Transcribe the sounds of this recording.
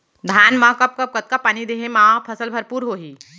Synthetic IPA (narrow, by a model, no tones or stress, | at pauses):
d̪ʱaːnmãkɐp̚kɐp̚kət̪̚kapaːnid̪eɦẽmãpʰəsəlbʱɐɾpuːɾɦoːɦiː